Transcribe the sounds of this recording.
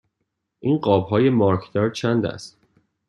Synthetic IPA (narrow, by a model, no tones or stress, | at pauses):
ʔiːnɢɒːbɦɒːje̞mɒɾkʰd̪ɒːɾt͡ʃʰænd̪æ̰st̪